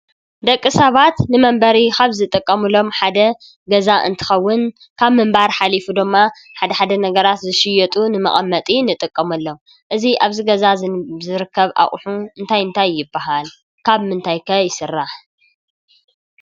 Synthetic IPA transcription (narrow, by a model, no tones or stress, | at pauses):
d̪ɐkʼːɨsɐβat̪nɨmɐmbɐɾikaβzɨt̪ʼɨkʼːɐmɨlo̞mħad̪ɐ | ɡɐzaʔɨ̰nt̪ʰɨ̥xɐwːʊn | kʰaβmɨmbaɾħalifud̪ɨmːa | ħad̪ɐħad̪ɐnɐɡɐɾat̪zɨʃɪjɛt̪ʼunɨmɐ̰χʼɐmːɐt̪ʼinɨt̪ʼɨkʼːɐmɐlːo̞m | ʔɨziʔaβziɡɐzazɨɾɨkʰːɐβʔa̰χʼħuɨnt̪ʰajɨnt̪ʰajːɪbːaɦal | kʰaβmɨnt̪ʰajkʰɐjɪsɨrːaħ